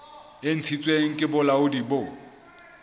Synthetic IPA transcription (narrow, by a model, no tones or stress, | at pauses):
en̩t͡sʰit͡sʼweŋ̩kʼɪbʊlaʊdibo